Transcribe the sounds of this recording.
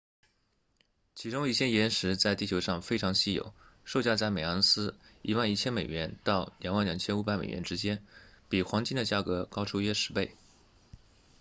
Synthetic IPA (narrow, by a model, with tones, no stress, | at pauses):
t͡ɕʰi˧˥ʈ͡ʂʊ˥ŋi˥˩ɕjɛ˥jɛ˧˥nʂɻ̩˧˥t͡sa˥˧ɪt̪i˥˩t͡ɕʰjo˧˥ʊʂɑ˥˧ŋfe˥ɪʈ͡ʂʰɑ˧˥ŋɕi˥˩jo̰˨˩˦ʊʂo˥˧ʊt͡ɕja˥˧t͡sa˥˩ɪme˨˩ɑ˧˥ŋsɹ̩˥i˧˥wa˥˧ni˥˩t͡ɕʰjɛ˥nme˨˩ɥɛ˧˥nt̪ɑ˥˩ʊljɑ˨˩ŋwa˥˩nljɑ˨˩ŋt͡ɕʰjɛ˥nu˧˥pa˧˩ɪmḛ˨˩ɥɛ̰˧˥nʈ͡ʂɻ̩˥t͡ɕjɛ˥npi˨˩xwɑ˧˥ŋt͡ɕi˥nd̪ə˨t͡ɕja˥˩kɤ˧˥kɑ˥ʊʈ͡ʂʰu˥ɥɛ˥ʂɻ̩˧˥pe˥˩ɪ